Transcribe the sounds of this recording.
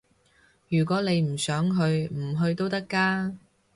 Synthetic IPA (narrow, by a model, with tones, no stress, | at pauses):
jyː˨˩kʷɔː˨˥ne˨˧jm̩˨˩sœː˨˥ŋɦɵ˧ɥm̩˨˩ɦɵ˧ɥt̪o˥wt̪ɐ˥kːaː˥